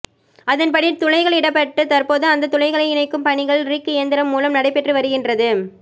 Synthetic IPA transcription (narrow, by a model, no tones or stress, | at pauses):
ʔɐðɐnpɐɽit̪ʊɻɐɪɣɐɭɪɽɐpːɐʈːɯt̪ɐrpoːðɯɐnd̪ɐt̪ʊlɐɪɣɐɭɐɪɪnɐɪkːɯmpɐɳɪɣɐɭɾikːɯɛnd̪ɪɾɐmːuːlɐmnɐɽɐɪpːɛʈrɯʋɐɾɯɣɪndrɐðɯ